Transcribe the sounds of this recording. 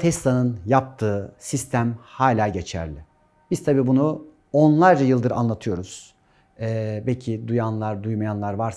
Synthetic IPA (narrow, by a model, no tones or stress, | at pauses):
t̪ʰɛslˠanɯnjap̚t̪ʰɯːsist̪ʰæmhaːlʲaːɟe̞t͡ʃʰæ̰ɾlʲɪ | b̥iz̥t̪ʰabiːbunu | onlˠaɾd͡ʒajɯlˠd̪ɯɾa̰nlˠat̪ʰɯjo̞ɾuz̥ | ɛːbecʰid̪ujanlˠaɾd̪ujmajanlˠaɾvaɾs